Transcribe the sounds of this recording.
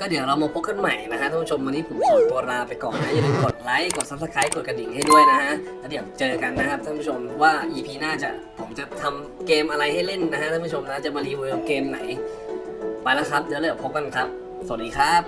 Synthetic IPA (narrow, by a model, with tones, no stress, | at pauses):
kɔː˥˩di˨˩˦wɾa˧wmaː˧pʰo˦˥p̚kʰa˥˩nma˨˩jna˦˥kʰa˧˥ʔ̪ʰaː˥˧˩pʰu˥˩o˧mːa˧niː˦˥pʰo˩˦m˧˨˩t̪u˧ɐ˧ɾaː˧wpa˧jkɔ̰ː˨˩nːa˦˥ja˧˩˦lɯ˧ko˨˩t̪̚la˦˥jko˨˩t̪̚sa˦˥p̚sa˦˥kʰa˦˥jko˨˩t̪̚k̚a˧di˨˩˦ŋha˥˩jdu˥˩əjna˦˥kʰa˦˥ʔlɛ˦˥˩di˨˩əw̚t͡ɕɤː˧a˧ka˧nːa˦˥kʰa˦˥p̪̚ʰaː˥˩˧pʰu˥˩o˧mɔ˦˥waː˥˩ʔiː˧pʰiː˧naː˥˩t͡ɕa˨˩ | pʰo˩˦mt͡ɕa˨˩t̪ʰa˧m | keː˧mʔa˧ɾa˧jha˥˩jle˥˩nna˦˥kʰa˦˥ʔ̪ʰa˥˩pʰu˥t͡ɕʰo˧mna˦˥˩t͡ɕa˨˩maː˧liː˧˥woː˧ka˨˩p̚keː˧mna̰˩˦j | pa˧jlaː˦˥˩kʰa˦˥p̚diː˨˦lːpʰo˦˥p̚ka˧nkʰa˦˥p̚ | sa˨˩t̚diː˧kʰɾa˦˥p̚